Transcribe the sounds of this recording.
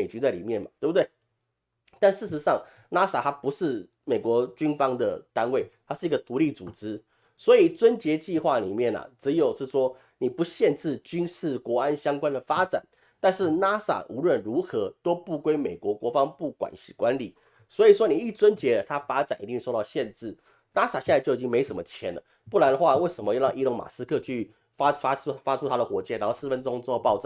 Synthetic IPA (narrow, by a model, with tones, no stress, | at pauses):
e˨˩ɪt͡ɕy˥˦t͡sa˥˩li˨˩mjɛ˥˩nmɐ̰˨˩t̪we˥˩bu˨˩t̪we˥˩ɪ | t̪a˥˧nʂɻ̩˥˩ʂ̬ɻ̩˧˥ʂɑ˥˩ŋ | na˥sa˨˩t̪ʰa˥pu˧˥ʂɻ̩˥˩ | me˨˩ɪkwɔ˧˥t͡ɕy˥nfɑ˥ŋd̪ə˨t̪a˥nwe˥˩ɪt̪ʰa˥ʂɻ̩˥˩i˧˥ɡə˧t̪u˧˥li˥˩t͡su˨˩ʈ͡ʂɻ̩˥ | swɔ˧˥i˨˩t͡swə˦˥nt͡ɕjɛ˧˥t͡ɕi˥˧xwa˥˩lḭ˨˩mjɛ˥˩nɐ̰˩ʈ͡ʂɻ̩˧˥jo˨˩ʊʂɻ̩˥˩ʂwɔ˥ | ni˨˩pu˨˥ɕjɛ˥˧nʈ͡ʂɻ̩˥˩t͡ɕy˥nʂɻ̩˥˩kwɔ˧˥a˦nɕjɑ˥ŋkwa˦nd̪ə˨fa˥ʈ͡ʂa̰˨˩˦n | t̪a˥˧nʂɻ̩˥˩na˥sa̰˨˩ʔu˧˥lwə˥˩nɻu˧˥xɤ˧˥t̪o˥ʊpu˥˩kwe˥ɪme˨˩ɪkwɔ˧˥kwɔ˧˥fɑ˥ŋpu˥˩kwa̰˨˩nɕi˨˩kwa˧˦nlḭ˨˩˦ | swɔ˧˥i˨˩ʂwɔ˥ni˨˩i˥˩t͡swə˥nt͡ɕjɛ˧˥˨t̪ʰa˥fa˥ʈ͡ʂa̰˨˩nʔi˧t̪i˥˧ŋʂo˥˧ʊt̪ɑ˥˧ʊɕjɛ˥˧nʈ͡ʂɻ̩˥˩ | na˥sa˨˩ɕjɛ˥˧nt͡sa˥˧t͡ɕo˥˩ʊi˨˩t͡ɕi˥ŋme˧ɪʂə˧˥nmə˧˦t͡ɕʰjɛ̰˧˥nlə̰˨ | pu˥˩la˧˥˦nd̪ə˧xwa˥˧we˥˩ɪʂə˧˥mə˧jɻɑ˥˧ŋʔi˥lʊ˥˩ŋma̰˨˩sɹ̩˥kʰɤ˥˧t͡ɕʰy˥˩ | fa˥a˥fa˥ʈ͡ʂʰu˥t̪ʰa˥də˨xwɔ˨˩t͡ɕjɛ˥˩ɻa˧˥xo˥˧ʊʂɻ̩˥˩fə˥nʈ͡ʂʊ˥ŋʈ͡ʂɻ̩˥xo˥˧ʊpɑ˥˧ʊʈ͡ʂ